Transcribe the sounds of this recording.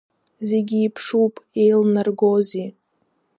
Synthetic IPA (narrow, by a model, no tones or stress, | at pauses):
zeɡʲiːpʰʂupʼejlnarɡozi